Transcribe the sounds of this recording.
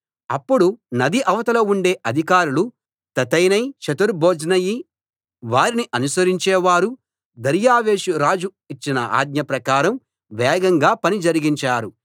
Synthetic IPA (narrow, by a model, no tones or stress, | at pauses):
ɐpːuɽunɐd̪iʔɐʋɐt̪ɐloːuɳɖe̞ːʔɐd̪ʱikaːɾulu | t̪ɐt̪ɐjnɐjʃɐt̪uɾbʱoːd͡ʒnɐji | ʋaːɾiniʔɐnusɐɾiɲt͡ʃɛːʋaːɾu | d̪ɐɾjaːʋe̞ːʃuɾaːd͡ʒu | it͡ʃːinɐʔa̰ːd̪̚ɲɐpɾɐkaːɾɐm | ʋɛːɡɐŋɡaːpɐnid͡ʒɐɾiɡiɲt͡ʃaːɾu